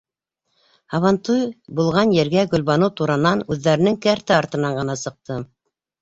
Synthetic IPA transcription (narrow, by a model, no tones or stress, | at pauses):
ɑβɑnt̪ujbulˠʁɑnjɘ̆ɾɡæɡɵ̆lβɑnut̪uɾɑnɑnʉðːæɾɘ̆nɘŋkɘæɾt̪ɘɑɾt̪ɤ̆nɑɴɢɤ̆nɑsɤ̆q̚t̪ɤ